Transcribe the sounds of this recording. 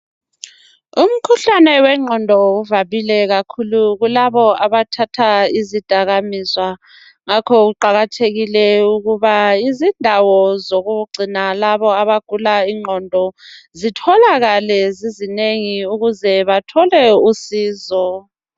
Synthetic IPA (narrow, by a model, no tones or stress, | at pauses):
um̩kʰuɬanɛwɛŋ͡ǃʱɔndʱɔuvaβilɛɣakʰuluɣulaβɔaβatʰatʰaizid̥ʱaɣamiswa | ŋakʰɔɣuǃaɣatʰeɣilɛuɣuβaizindʱawɔzoɣuɡ͡ǀʱinalaβɔaβaɡ̥ʱulaiŋ͡ǃʱɔndʱɔzitʰɔlaɣalɛzizineŋiuɣuzɛβatʰɔlɛusiːzɔ